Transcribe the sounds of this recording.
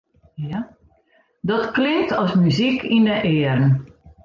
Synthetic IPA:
ja | dɔtklɪŋ̚tɔsmyzikʰindəʔɪːərn

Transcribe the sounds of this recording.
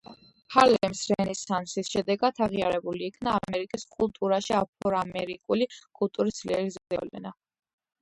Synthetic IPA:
halɛmsɾɛnisansisʃɛd̪ɛɡat̪ʰaʁiaɾɛbuliːkʰnaːmɛɾikʼiskʼulˠt̪ʼuɾaʃiap̚ʰɔɾamɛɾikʼulikʼulˠt̪ʼuɾisd̪liɛɾizɛzɛ̰vlɛ̰na

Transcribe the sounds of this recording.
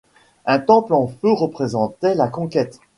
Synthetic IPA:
ɛ̃t̪ɑ̃plɑ̃føʁəpχezɑ̃t̪ɛlakɔ̃kʲɛt̪

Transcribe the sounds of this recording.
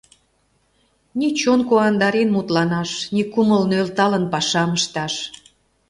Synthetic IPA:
nit͡ɕonkoɑnd̪ɑɾenmut̪lɑnɑʃnikuməlnølt̪ɑlənpɑʃɑməʃt̪ɑʃ

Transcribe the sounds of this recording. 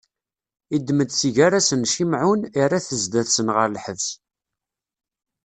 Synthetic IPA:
id̪ːməd̪θiʝaɾasənʃimʕuniraθəzd̪æθsənʁəɾlħəvs

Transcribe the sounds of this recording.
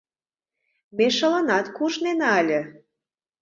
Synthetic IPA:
meʃə̆lɤnɑt̪kuʒnenɑlʲə̆

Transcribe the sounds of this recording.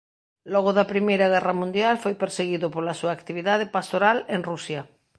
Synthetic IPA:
lɔɣ̞oðapɾimejɾaɣ̞ɛramũnd̪jalfojpeɾseɣiðopolasuaːkt̪iβ̞iðað̞epast̪oɾaleŋrusja

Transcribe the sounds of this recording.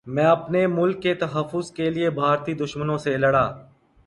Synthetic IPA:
mɛ̃ːɐpnemʊlkːet̪ɐɦəfːʊzkelɪiebʱaːɾt̪iːd̪ʊʃmənõːselɐɽaː

